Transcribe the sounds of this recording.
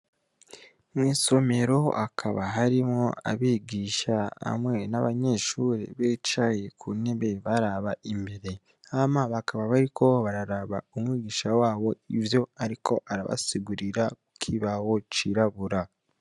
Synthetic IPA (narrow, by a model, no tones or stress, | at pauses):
mwiːso̞me̞ɾo̞akʰaβaɦaɾimŋoa̰βiːɡiʃaa̰mŋe̞naβaɲe̞ʃuɾḛβeːt͡ʃajekʰuneβe̞βaɾaβaʔimbe̞ɾe̞ | amaβakaβaβaɾikʰo̞βaɾaɾaβa̰omwiːɡiːʃawaːβo̞ivjo̞aɾikʰo̞ʔaɾa̰βa̰siɡuɾiɾakukʰiβawo̞t͡ʃiɾaβuɾa